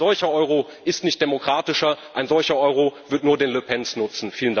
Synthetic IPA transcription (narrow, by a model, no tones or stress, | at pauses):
zɔlçɐʔɔʏʁ̞o | ʔɪstnɪçt̚d̥emokʁ̥aːtɪʃɐʔaɪnzɔlçɐʔɔʏʁovɪɐtnuːɐdeːnləpʰɛnsnʊt͡sn̩fiːlənda